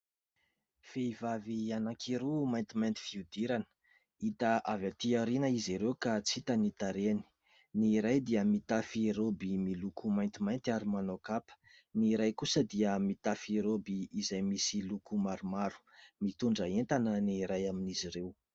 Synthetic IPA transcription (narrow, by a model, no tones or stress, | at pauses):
feivavianakʰiɾumajnt̪imajnt̪i̥fiud̪iɾanə̥ | it̪aʔavat̪iaɾenəiziɾewkat͡sit̪ənit̪aɾeni̥ | niɾajd̪iəmit̪afiɾobimilukʰumajnt̪imajnt̪iaɾimanokapə̥ | niɾajkusəd̪iəmit̪afɾobiːzajmisilukumaɾumaɾu̥mit̪uɳɖ͡ʐəent̪anəniɾajaminiziɾew